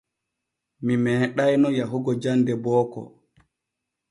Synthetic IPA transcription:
mimɛːɗajnɔjaɦuɡɔd͡ʒandɛbɔːkɔ̰

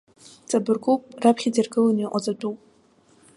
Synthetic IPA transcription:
t͡sʼabɨrɡʼupʼrapʰχʲid͡zirɡɨlaniqʷʼad͡zʼadupʼ

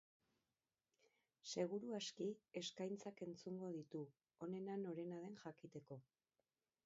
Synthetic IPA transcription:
se̞ɣ̞uɾuaskie̞skajnt͡sake̞nt͡suŋɡo̞ð̞it̪u | o̞ne̞nano̞ɾe̞naðe̞nʝakit̪e̞ko̞

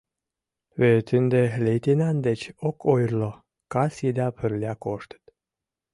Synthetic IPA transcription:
βet̪ɨnd̪elʲejt̪enɑnd̪et͡ɕokʰojrlo | kɑsid̪ɑpʰərlʲiakoʃt̪ə̥t̪

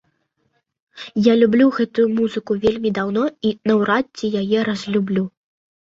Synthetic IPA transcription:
jalʲublʲuɣɛt̪ujumuzɨkuvʲelʲmʲid̪awn̪ɔinɐwɾatʲːijajɛɾɐzʲlʲublʲu

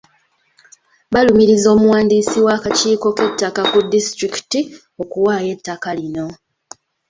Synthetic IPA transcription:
βalumiɾizo̞ːmuwaːndiːsiwaːkaciːko̞ke̞tːakakudistɾiki̥ti | o̞kuwaːje̞tːakalino̞

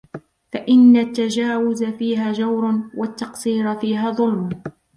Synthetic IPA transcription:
faʔɪnːat̪ːad͡ʒaːwʊzafiːɦaːd͡ʒawɾnwat̪ːɑqsiːɾafiːɦaːðˤʊlmʊ

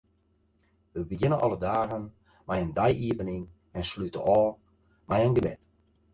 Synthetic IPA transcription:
ʋəbəɡɪnəʔɔ̰lˠədaːɣən | mɛjəndajʔiəbənɪŋ | ɛnslytə̰ɔː | mɛjənɡəbɪ̰t

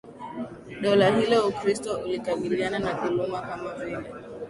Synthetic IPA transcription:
ɗɔlahilɔukɾistɔulikaɓiliananaðulumakamavilɛ

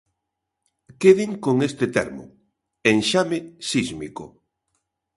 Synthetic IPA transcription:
keðɪŋkoŋest̪et̪ḛɾmʊ̰ | eŋʃamesizmiko̰

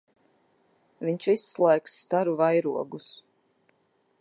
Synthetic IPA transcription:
viɲʲt͡ʃisːlˠɛːksːt̪aɾuvajɾuɔɡus

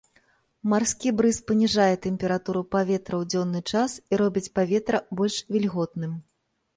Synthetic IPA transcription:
marskʲibɾɨspɐnʲiʐajɛt̪ɛmʲpʲɛɾat̪uɾupavʲɛt̪ɾɐwd͡zʲɔnːɨt͡ʂasiɾɔbʲit͡sʲpavʲɛt̪ɾɐbɔlʲʂvʲilʲɣɔt̪nɨm

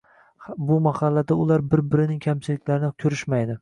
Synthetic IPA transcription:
bʊmahɑlːad̪aʊlˠaɾbɪɾbɪɾɪnɪŋkʲʰamt͡ʃʰɪlɪkʲlaɾɪnɪkʲʰʊɾɪʃmajd̪ɪ

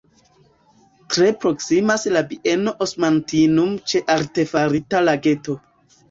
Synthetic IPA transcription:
tɾe̞pɾo̞ksimaslabie̞no̞ʔosmantinumt͡ʃe̞ʔaɾte̞faɾitalaɡe̞to̞

